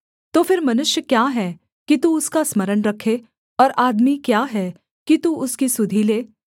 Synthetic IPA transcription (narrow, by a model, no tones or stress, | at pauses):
t̪oːfʰɪɾmɐnʊʃjəkjaːɦɛ | kit̪uʊskasmɐɾənɾɐkʰːe | ɔːɾaːd̪mikjaɦɛ | kit̪uʊskisʊd̪ʱileː